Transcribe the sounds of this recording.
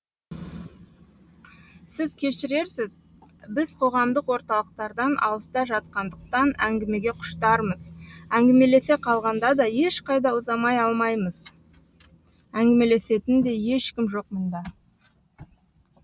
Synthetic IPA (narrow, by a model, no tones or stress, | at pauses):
sɪzkʲʰe̞ʃɪɾe̞ɾsɪz | bɪzqʰo̞ʁɑmd̪əqwo̞ɾt̪ɑlˠəq̚t̪ɑɾd̪ɑnʔɑ̰lˠəst̪ɑʒɑt̪̚qɑnd̪əq̚t̪ɑnæŋɡʲɪme̞ɡʲe̞qʰʊ̥ʃt̪ɑɾməzæŋɡʲɪme̞le̞se̞qʰɑlˠʁɑnd̪ɑd̪ɑje̞ʃqʰɑjd̪ɑʊzɑmɑjɑlˠmɑjməz̥ | æŋɡʲɪme̞le̞se̞t̪ɪnd̪e̞je̞ʃkʲɪmʒo̞qmʊnd̪ɑ